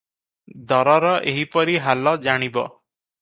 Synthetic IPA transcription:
d̪ɔɾɔɾɔʔeɦipɔɾiɦalɔd͡ʒaɽ̃ibɔ̰

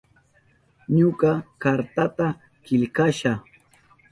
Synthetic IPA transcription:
ɲʊkɑkaɾt̪at̪a | kɪʎkaʃa

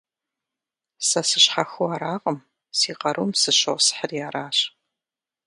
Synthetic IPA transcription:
sɐsɨɕħaxuaːɾaːqʼəm | siːqɐɾʔumsɨɕowsħərjaːɾaːɕ

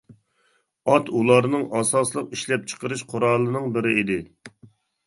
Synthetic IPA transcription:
ɑt̪ʰulˠɑɾnɨŋɑsɑslˠəqiʃlɛp̚t͡ʃʰə̥qʰəɾɨʃqʰʊɾɑlˠɨnɨŋbɪɾɪʔid̪ɪ

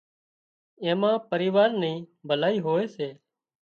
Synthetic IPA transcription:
ẽːmãːpəɾiːʋaːɾnəĩːbʱəlaːiːɦoːeːseː

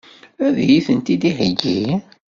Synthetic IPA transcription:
æðjiθənt̪id̪ihəɡːi

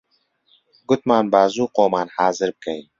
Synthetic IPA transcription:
ɡʊt̪maːnbaːzuːqoːmaːnhaːzɨɾb̚kʰɛjn

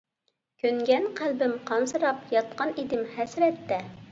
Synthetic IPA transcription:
kʲʰøŋɡʲɛnqʰælbɪmqʰɑnsɨɾɑpjɑt̪qɑnid̪ɪmhɛsɾɛt̪ːɛ

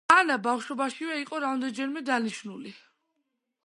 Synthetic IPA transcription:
anabafʃɔbaʃivɛiqʼɔɾammd̪ɛnd͡ʒɛɾmɛd̪aniʃnuli

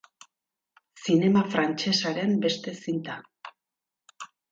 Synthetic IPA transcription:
sine̞mafɾant͡ʃe̞saɾe̞mbe̞st̪e̞sint̪a

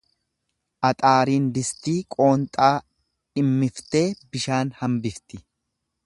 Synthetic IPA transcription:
ʔɐt̪ʼaːɾiːnd̪ɪst̪iːkʼo̞ːnt̪ʼaː | ᶑɪmːɪft̪e̞ːbɪʃaːnhɐmbɪft̪ɪ

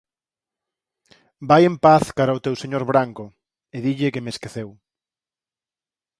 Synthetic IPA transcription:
bajempaθkaɾɐʊt̪ewseɲoɾβɾaŋkʊ | eðiʎɪkemeskeθew

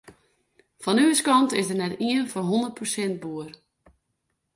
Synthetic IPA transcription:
fɔnyəskɑntɪsdərnɛtiənfɔnɦondərt̚prosɛnt̚buər

